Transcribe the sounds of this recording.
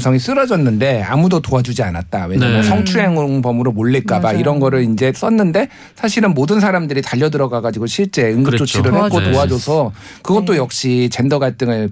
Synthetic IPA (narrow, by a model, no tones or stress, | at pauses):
sʰʌŋis͈ɯɾʌd͡ʑʌnːɯnde̞a̰mudotoad͡ʑud͡ʑianat̚t͈awe̞ɲamjʌnsʰʌŋt͡ɕʰuɦeŋoŋbʌmɯɾomoʎːiɭk͈abaiɾʌnɡʌɾɯɭind͡ʑe̞s͈ʌnːɯnde̞ | sʰaɕʰiɾɯnmodɯns̬ʰaɾamdɯɾitaʎːʌdɯɾʌɡaɡad͡ʑiɡoɕʰiɭt͡ɕ͈e̞ɯŋɡɯt͡ɕ͈ot͡ɕʰiɾɯɭhak͈ʰotoad͡ʑosʰʌ | kɯɡʌt̚t͈ojʌk̚ɕ͈it͡ɕe̞ndʌɡaɭt͈ɯŋɯɭ